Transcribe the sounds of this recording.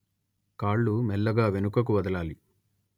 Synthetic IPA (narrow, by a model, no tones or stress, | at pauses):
kaːɭːumɛlːɐɡaːʋenukɐk̬uʋɐd̪ɐlaːli